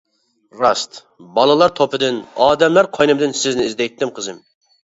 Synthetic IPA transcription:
ɾɑst̪ | bɑlˠɨlˠɑɾt̪ʰopʰɨd̪ɪnɑːd̪ɛmlˠɑɾqʰɑjnɨmd̪ɨnsɪznɪizd̪ɛjt̪ːɪmqʰəzɨm

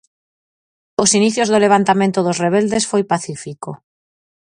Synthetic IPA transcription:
osiniθjozðoleβ̞ant̪amẽnt̪oðosreβ̞eld̪esfojpaθifiko

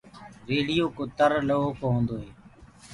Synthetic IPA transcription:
ɾeːɽɪjoːkoːt̪əɾləɦoːkʰoːɦõːnd̪oːɦeː

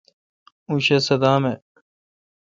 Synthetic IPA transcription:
uɕesɐd̪aːme

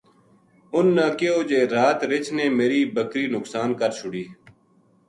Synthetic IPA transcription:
ʊnːaːkeːoːd͡ʒeːɾaːt̪ɾɪt͡ʃneːmeːɾiːbəkɾiːnʊksaːnkəɾt͡ʃʰʊɽiː

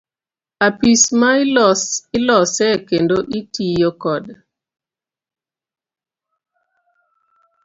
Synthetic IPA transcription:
apismaɪlɔsɪlɔsɛkendoʔitijokɔd

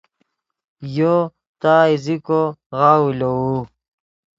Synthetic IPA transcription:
jo | t̪aːizikoɣawulou

